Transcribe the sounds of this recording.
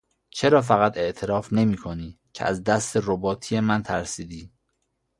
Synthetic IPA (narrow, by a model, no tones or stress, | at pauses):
t͡ʃʰe̞ɾɒːf̬æɣæt̪e̞ʔt̪ʰe̞ɾɒːfne̞miːkʰoniː | cʰeʔæzd̪æst̪erobɒːt̪ʰijemænt̪ʰæɾsiːd̪iː